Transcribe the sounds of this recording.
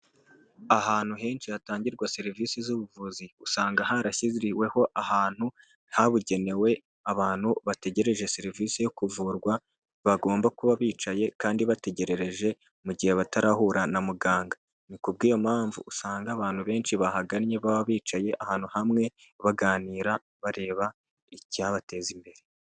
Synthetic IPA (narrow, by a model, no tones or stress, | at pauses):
aɦaːn̥huɦe̞ːnʃiataːɲɟiɾɡwaseɾiviːsizuβuvuziusaːŋɡaɦaɾaçiziɾiwe̞ho̞ʔahaːn̥hu | haβuɟe̞ne̞we̞ | aβaːn̥huβate̞ɟe̞ɾe̞ʒeseɾiviːsejo̞kuvuːɾɡwa | βaɡo̞ːmbakuβaβiːt͡ʃaje̞kaːndiβate̞ɟe̞ɾe̞ɾe̞ʒe̞ | muɟihe̞βataɾahuɾanamuɡaːŋɡa | nikubɡiːjo̞maːɱvṵːsaːŋɡaːβaːnhuβe̞ːnʃiβahaɡanɲe̞βaββiːt͡ʃaje̞ʔahaːn̥huhamŋe̞ | βaɡaːniːɾa | βaɾe̞ːβa | icaβate̞ːzimbe̞ɾe